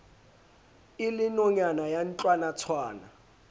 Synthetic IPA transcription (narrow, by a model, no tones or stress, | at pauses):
ilɪnɔɲanajant͡ɬʼwanat͡sʰwaːna̰